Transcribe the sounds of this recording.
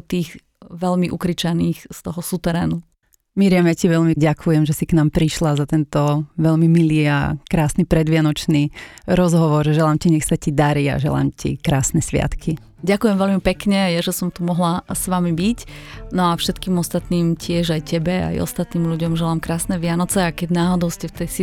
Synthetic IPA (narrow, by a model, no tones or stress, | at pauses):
t̪iːɣ | ʋɛʎmiʔukɾit͡ʃaniːxst̪ɔɦɔsut̪ɛɾɛːnu | miːɾɪamjaciʋɛʎmiɟakʰujɛmʒɛsiknaːmpɾiʃlazat̪ɛnt̪ɔʋɛlmimiliːa̰kɾaːsnipɾɛd̪ʋɪanɔt͡ʃniɾɔzɦɔʋɔɾʒɛlaːmciɲɛxsacid̪aɾia̰ʒɛ̰la̰ːmcḭkɾaːsnɛsʋɪa̰t̪kʰi | ɟakujɛmʋɛlmipɛkɲɛjaʒɛsɔmt̪umɔɦlasʋamibicnɔafʃɛt̪kiːmɔst̪at̪niːmcɪɛʒajcɛbɛa̰jɔ̰st̪at̪niːmʎuɟɔmʒɛlaːmkɾaːsnɛʋɪanɔt͡sɛakɛɟnaːɦɔd̪ɔʊscɛft̪ɛjsi